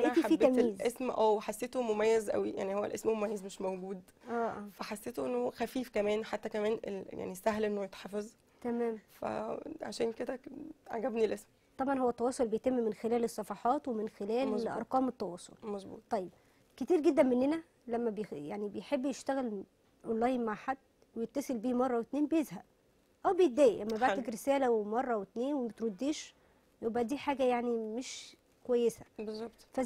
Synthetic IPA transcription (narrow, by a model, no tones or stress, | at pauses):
ʔeːt̪iafiːb̪æmjiːzʔesmʔæːwħasːeːt̪omomæjːæzʔæ̰wija̰ʕnihowːæ̰lʔesmmomæjːezmeʃmæwɡuːd̪ | ʔæːʔæ̰ːfæħasːeːt̪oʔenːohoxæfiːfkæmæːnħat̪ːækæmæːnḛja̰ʕnisæɦlʔenːojet̪ħɑfez | t̪æmæːmfæ̰ʕa̰ʃæːnked̪ækʕa̰ɡæbnilʔesm | t̪ˤɑbʕɑnhowːæt̪ːɑwɑːsˤolbejt̪emːmenxelæːlesˤːɑfɑħɑːt̪wemenxelæːlʔɑ̰ɾˤqɑːmet̪ːɑwɑːsˤo̰lmɑsˤbṵːt̪ˤɑjːeb̚ | ket̪iːɾɡed̪ːænmenːenæ | læmːæbejaʕnibejħebːjeʃt̪æɣæl | ʔonlɑːjnmaʕħad̪̥ː | wejet̪ːɑselbiːmɑrˤːɑwet̪neːnbejezɦæb | ʔæwbejet̪̚d̪æːʔiʔæmːæbaʕækɾesæːlæwemɑrˤːɑwet̪neːnwemæt̪ɾod̪ːiːʃ | jowbæʔd̪iːħaːɡæjaʕnimeʃ | kowæjːesæ̥bezˤːɑbt̪ˤfæ